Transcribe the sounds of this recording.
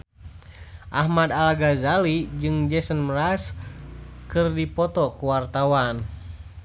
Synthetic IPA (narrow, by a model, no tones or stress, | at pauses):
ʔahmad̪alaɡazalid͡ʒɨŋd͡ʒɛsənmras | kɨrdipɔt̪ɔkuwart̪awan